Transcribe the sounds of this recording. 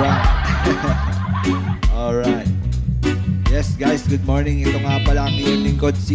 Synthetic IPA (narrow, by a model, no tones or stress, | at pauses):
a | ʔolɹajt̪̚ | jɛsɡajsɡʊd̪̚moɹnɪŋɪt̪oŋapɐlɐɐŋɪjʊŋlɪŋko̞d̪̚si